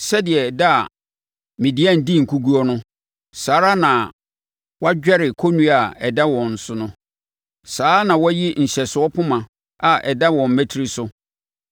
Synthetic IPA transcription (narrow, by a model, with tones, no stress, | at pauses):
sɛ˦dɪ˨ɛ˨da˦a̰˨ | mĩ˨di˦ã˦˨n̩˨di˦˨ŋ̩˨kʰu˦ɡu˦ɔ˦nʊ̃˦ | saː˨˦ɾa˦nã˨ | wɔ˦a˦d͡ʑᶣɛ˦ɾɪ˨kʰo˦nũ˦a˨ɛ˨da˦wɔ̃˨n̩˨sʊ˨nʊ̃˦ | saː˨˦nã˨wɔ˦jɪ˦ɲ̩˨ɕɛ˨sʊ˨ɔ˦pʰʊ˦mã˨ | a˨ʔɛ˨da˦wɔ̃˨m̩˨mæ˦tʰi˦ɾi˦sʊ˦